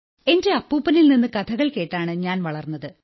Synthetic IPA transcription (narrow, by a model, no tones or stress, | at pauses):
e̞nde̞ɐpːuːpːɐnilninːɨkɐt̪ʰɐɣɐɭke̞ːʈːaːɳɨɲaːnʋɐɭɐrnːɐðɨ